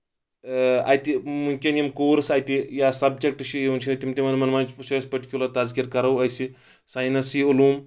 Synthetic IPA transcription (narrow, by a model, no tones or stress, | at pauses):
a̰jt̪imuŋkʲeniɐmkoːɾsajt̪ijasɐbd͡ʒek̚ʈɐʃijent͡ʃʰit̪imt̪imɐnmɐnmɐnt͡ʃsɐspɐʈi̥kʲjulɐt̪azkiɾkɐɾɐwɐjsi | sajnɐsiulum